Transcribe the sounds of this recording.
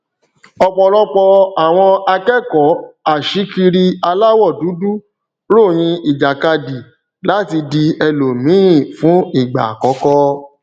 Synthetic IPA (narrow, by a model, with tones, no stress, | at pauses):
ɔ˧k͡pɔ˧lɔ˦k͡pɔ˧a˨w̃ɔ̃˧a˧kɛ˦kɔ˨˦a˦˨ʃi˨˦ki˧ɾi˧a˧la˦wɔ˦˨du˨˦du˦ | lo˦˨j̃ĩ˧i˨d͡ʒa˨ka˧di˨ | la˨˦ti˧di˧ɛ˧lo˨mĩ˨˦ĩ˦˨fũ˨˦i˦˨ɡ͡ba̰˨kɔ˨˦kɔ˦